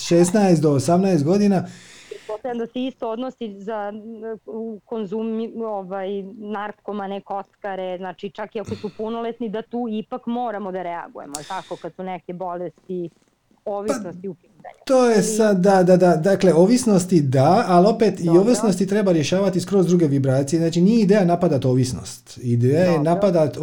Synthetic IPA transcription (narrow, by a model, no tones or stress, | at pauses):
ʃeːsnaest̪d̪o̞ːsamnaest̪̚ɡo̞d̪inapɾɛt̪posajand̪aseist̪ood̪nosiza | konzumoʋajnaɾkkomanɛko̞t̪kaɾeznat͡ʃit͡ʃakiakosupunolet̪nid̪at̪uːipakmoːɾamod̪aɾɛa̰ɡṵjḛmot̪akokad̪sunɛkebolest̪i | oʋipnost̪iupit̪a̰ɲt̪oːjesad̪ːad̪ad̪ad̪akle̞o̞ʋisno̞st̪id̪aːlo̞pet̪ioːʋisno̞st̪it̪ɾe̞baɾje̞ʃaːʋat̪iskɾo̞zd̪ɾuɡe̞ʋibɾaːt̪sijeznaːt͡ʃinijeid̪eːjanapad̪at̪o̞ːʋisno̰st̪id̪ejajenapad̪at̪